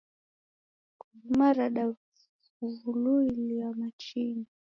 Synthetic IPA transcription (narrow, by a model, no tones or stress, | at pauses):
kumaɾaɗa | uvuluiliamat͡ʃini